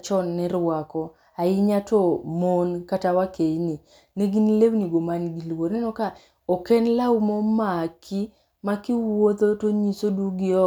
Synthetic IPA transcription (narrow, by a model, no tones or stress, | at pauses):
t͡ʃɔnːɛɾwakɔ | aɪɲatɔmonkatawakeini | neɡinlewniɡomanɡilwoɾnɛnɔka | okɛnlaumomakʰi | makiwot̪otoɲisoduɡɪɔ